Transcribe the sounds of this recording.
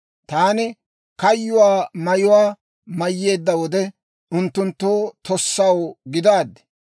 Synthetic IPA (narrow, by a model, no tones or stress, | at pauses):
t̪aːnɪ | kɐjːʊwaːmɐjʊwaː | mɐjːe̞ːd̪ːɐwɔd̪ɛ | ʊnt̪ːʊnt̪ːoːt̪ʰɔsːɐwɡɪd̪aːd̪ːɛ̥